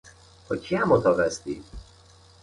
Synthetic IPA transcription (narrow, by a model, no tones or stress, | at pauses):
hochiamot̪ɒvɛst̪ḭ